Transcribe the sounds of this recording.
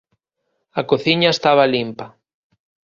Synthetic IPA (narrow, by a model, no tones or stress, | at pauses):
ɐkoθiɲaest̪aβɐlimpɐ